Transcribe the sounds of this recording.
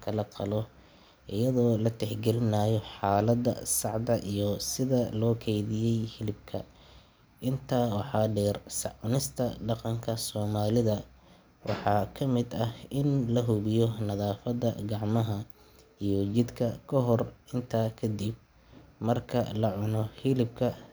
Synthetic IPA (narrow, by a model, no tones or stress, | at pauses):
kʰɐlɐqʰɑlɔ | ʔɪjɐðɔːlɐt̪ʰɛħɡɛlɪnaːjɔħɑːlɐd̪ɐ̰sɑʕd̪ɐʔijɔsɪðɐlɔːkʰɛjðɪjɛjhɪlɪb̚kʰɐ̰ | ʔɪnt̪ʰaːwɑħɑːɖɛːrsɑʕʊnɪst̪ʰɐɖɑqɑŋkʰɐsɔːmaːlɪðɐ | wʔɑ̰ħɑːkʰɐmɪd̪ɐhɪnlɐɦʊβɪjɔnɐðaːfɐd̪ɐɡɑʕmɐɦɐ | ijɔt͡ʃɪd̪kʰɐkʰɔɦɔrɪnt̪ʰaːkʰɐd̪ib̚ | mɐrkʰɐ̰lɐʕʊnɔhɪlɪb̚kʰɐ